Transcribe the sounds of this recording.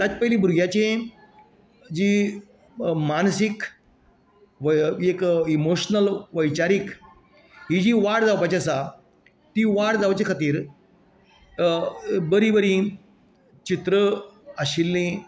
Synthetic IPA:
t̪at͡spəilĩbʱuɾɡjat͡ɕẽ | d͡ʑiː | mansik | ʋekimoɕnəlʋəjt͡ɕaɾik | ɦid͡ʑiːʋaɽd͡zawpat͡ɕasa | t̪iʋaɽd͡zaʋt͡ɕekʰət̪iːɾ | bəɾibəɾĩ | t͡ɕit̪ɾəəɕilːĩ

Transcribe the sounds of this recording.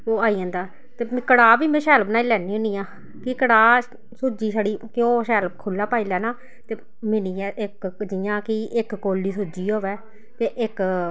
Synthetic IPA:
oːaːiːãːnd̪aː | t̪eːmkəɽaːbiːmẽːʃɛːlbnaːiːlɛːnĩːʊniːãː | kɪkəɽaː | sʊd͡ʒiːsəɽiːkɪoːʃɛːlb̚kʰʊlːaːpaːiːlɛːnaː | t̪eː | mɪniːɛːʔɪkd͡ʒɪjãːkɪʔɪkːoːlːiːs̬ʊd͡ʒiːɦoːʋɛː | t̪eːʔɪk

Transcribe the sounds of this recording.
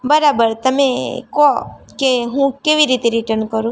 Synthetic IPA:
bəɾabəɾt̪əmekɔkeɦũkeʋiɾit̪eɾiʈəɾnkəɾũ

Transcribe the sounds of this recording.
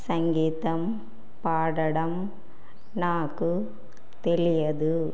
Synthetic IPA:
sɐŋɡiːt̪ɐm | paːɽɐɽɐm | naːkɯ | t̪ɛlɪjɐðɯ

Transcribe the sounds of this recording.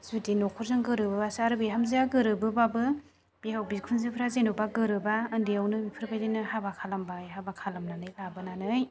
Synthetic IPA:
zudinɔkʰɔɾzɯŋɡɯɾɯbɯasaɾɯbiɦamziaɡɯɾɯbɯbabɯ | b̥ihawbikʰunzɯpʰɾazenubaɡɯɾɯbaɯndiawnɯmipʰɯɾbajdɯnɯhabakʰalambajɦabakʰalamnanɯjlabɯnanɯj

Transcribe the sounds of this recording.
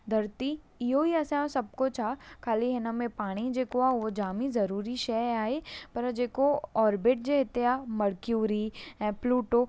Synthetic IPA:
d̪ʱɐɾt̪i | ɪɦoiɐsãsɐb̚kot͡ʃʰakʰaːliɦɪnəmẽpaːɽ̃id͡ʒeːkoaod͡ʒaːmizɐɾuːɾiʃɛːaːɦepɐɾd͡ʒeːkoɔːɾbɪʈ̚d͡ʒeɦɪt̪eamɐɽkjuːɾiɦɛ̃pluːʈo

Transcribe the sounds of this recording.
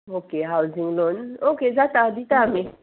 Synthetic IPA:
okeɦawzĩŋlɔnokezataditame

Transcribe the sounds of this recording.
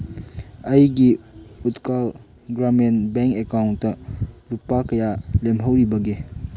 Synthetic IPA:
ɐjɡiutkal | ɡɾamenbeŋkekawntːɐlupakɐjalemɦɐwɾibɐɡe

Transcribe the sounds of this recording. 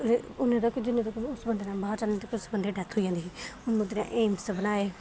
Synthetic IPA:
eʊnːẽːd̪əkd͡ʒɪnːẽːd̪əkʊsbənd̪eːnãːbaːɾt͡ʃaːnẽːt̪akːʊsbənd̪eːɖɛt̪ʰɦoːid͡ʒãːd̪eːiːʊnbə̃nd̪enã̰ːʔeːmsəbənaːeː

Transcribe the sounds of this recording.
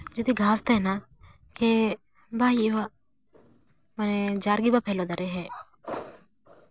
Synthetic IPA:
d͡ʒoːd̪iɡʱãːst̪ena | ke | bʱaːjiʋa | məned͡ʒaːɾɡibapʰeːlod̪əɾeɦɛ̃ː

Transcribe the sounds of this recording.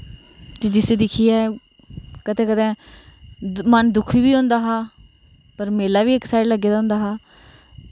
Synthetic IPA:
d͡ʒed͡ʒɪseːd̪ɪkʰiːɛː | kət̪ẽːkət̪ẽː | mənd̪ʊkʰʋiːʋiːõːnd̪aːɦaː | pəɾmeːlaːʋiːɪksaːɖləɡeːd̪aɦʊ̃ːnd̪aːɦaː

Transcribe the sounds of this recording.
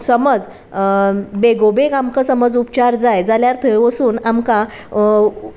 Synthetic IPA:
səməd͡z | beɡobeɡamkəsəməd͡zupt͡ɕaɾd͡zajd͡zaljaɾt̪ʰəʋəsuːnamkã

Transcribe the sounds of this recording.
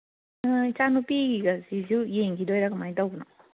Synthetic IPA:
ɯt͡ʃanupiɡiɡɐziziwjeŋkʰidojɾaɡɐmajtawbunɔ

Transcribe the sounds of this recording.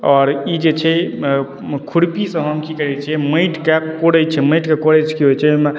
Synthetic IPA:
ɔɾid͡ʒet͡ʃʰɛ | kʰuɽpisə̃ɦəmkikəɾɛt͡ʃʰɛməjʈkepkoɽɛt͡ʃʰɛməjʈkekoɽet͡ʃʰkiɦojt͡ʃʰɛme

